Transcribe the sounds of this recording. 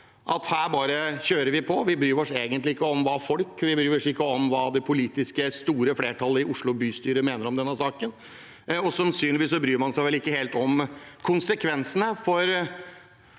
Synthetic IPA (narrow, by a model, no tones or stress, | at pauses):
ʔɑt̪hæːɾbɑːɾəçøːɾəɾʋɪpʰɔʋɪbɾyːɾɔʂeːɡənt̪lɪɪkːəɔmʋɑːfɔlkʋɪbɾyːɔʂɪkːəɔmʋɑːd̪ɛpʰʊliːt̪ɪskəst̪uːɾəfleːʈʰɑlːəɪʔʊʂɭʊbyːst̪yːɾəmeːnəɾɔmd̪ɛnːəsɑːkən | ɔsɑnsyːnlɪʋiːsːɔbɾyːɾmɑnsæɪʋɛlɪkːəheːlt̪ɔmkʰʊnsəkʰʋɛnsənəfɔɾ